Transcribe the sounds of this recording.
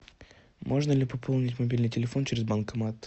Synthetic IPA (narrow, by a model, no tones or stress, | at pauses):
mʔo̞ʐnəlʲɪpɐpʰolˠnʲɪtʲmɐbʲilʲnɨjtʲɪlʲɪfo̞nt͡ɕɪɾʲɪzbankɐmat̪